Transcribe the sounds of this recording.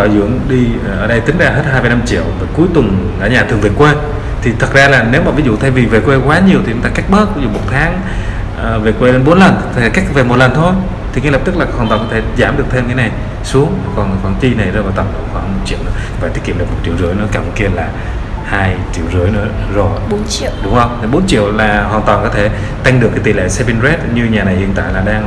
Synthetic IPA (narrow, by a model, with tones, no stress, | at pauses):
aː˧˩zɨ̰˧˥əŋɗi˧˨˩ʔəː˧˩ɗə˧jt̪ï˨˦ŋ̟zaː˧˩ɦe˦˥t̚haː˧jvaː˨˩jna˧mt͡ɕḭ˧˨əwvəː˨˩ku˨˦jt̪ʊ˨˩ŋɗa̰ː˧˩ɲaː˨˩t̪ʰɨ˨˩əŋve˨˩kwe˧ | t̪ʰi˨˩t̪ʰə˨˩t̚zaː˧laː˨˩ne˨˦wmaː˨˩vi˨˦zṵ˧˨t̪ʰa˧jvi˨˩ve˨˩kwe˧kwaː˨˦ɲi˨˩ət̪ʰi˨t͡ɕŋ͡mt̪aː˧ka˦˥jk̚ɓəː˦˥t̚vi˨˦zṵ˧˨mo˨˩t̚t̪ʰaː˨˦ŋ | ʔəː˨˩ve˨˩kwe˧le˧nɓo˨˦nlə˨˩nt̪ʰːka˦˥k̚ve˨˩mo˨˩lə˨˩nt̪ʰo˧j | t̪ʰi˨˩kːlə˨˩p̚t̪ɨ˦˥k̚laː˨˩˦hə˨˩nt̪ŋ͡mkɔ˧t̪ʰe˧˩zaː˧˩mɗɨ˨˩ək̚t̪ʰe˧mkaː˨˦na˨˩j | su˨˦əŋ˨˩kɔ˨˩nkɔ˨˩nt͡ɕ̪i˧na˨˩jzvaː˨˩t̪a˨˩mɗo̰˧˨xwaː˧˩hmo˨˩t̚t͡ɕḭ˧˨əwnɨ̰˧˦ə˦˧˩faː˨˧˩t̪i˦˥ki˧˨mɗɨ˨˩k̚m˨˩t̚t͡ɕḭ˧˨wzɨ˨˧˦əjnɨ̰˧˦əkaː˧˩mu˧˦ki˧əlaː˨˩ | haː˧jt͡ɕi˧˨əwzɨ˧˩əjnɨ̰˧˥ə | zo˨˩jnt͡ɕi˧˨ə˨wɗʊ˨˦ŋ͡mhə˧wŋ͡mt̪ʰi˨˩ɓo˨˦nt͡ɕḭ˧˨əwlaː˨˩hwaː˨˩nt̪waː˨˩nkɔ˨˦t̪ʰe˧˩ | t̪a˧jŋ̟ɗɨ˨˩əkːaː˨˦jt̪i˨lḛ˧˨sɛ˧vi˧nzɛ˦˥t̚ɲɨ˧ɲaː˨˩na˨˩jhḭ˧˨ənt̪a̰ː˧˨jlaː˨˩ɗaː˧ŋ